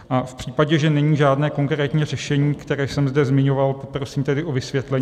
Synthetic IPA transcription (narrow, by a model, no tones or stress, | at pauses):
ʔafpr̥iːpaɟɛʒɛnɛɲiːʒaːdnɛːko̞ŋkɾɛːt̪ɲiːrɛʃɛɲiːkt̪ɛɾɛːʃsɛmzdɛzmɪɲo̞valpopɾo̞siːmt̪ɛdɪʔo̞vɪsvjɛt̪lɛɲ